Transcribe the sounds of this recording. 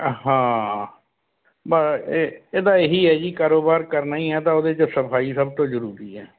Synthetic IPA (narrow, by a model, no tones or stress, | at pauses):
ɦãː | bə | eːd̪aːeɦiːɦɛːd͡ʒiːkaːɾoːbaːɾkəɾnaːĩːɦɛːt̪ãːoːd̪eːt͡ʃsəpʰaːiːsəb̚t̪õːzəɾuːɾiːɦɛː